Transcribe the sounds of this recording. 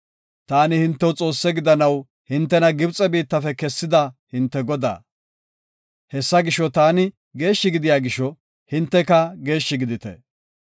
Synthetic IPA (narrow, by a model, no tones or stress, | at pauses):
t̪aːnɪhɪnt̪ːɛwt͡sʼo̞ːsːɛɡɪd̪ɐnɐw | hɪnt̪ːɛnɐɡɪbt͡sʼɛbiːt̪ːɐfɛkɛsːɪd̪ɐhɪnt̪ːɛɡɔd̪a̰ː | hɛsːɐɡɪʃːɔt̪aːnɪ | ɡe̞ːʃːɪɡɪd̪ɪjaːɡɪʃːɔ | hɪnt̪ːɛkɐɡe̞ːʃːɪɡɪd̪ɪt̪ɛ̰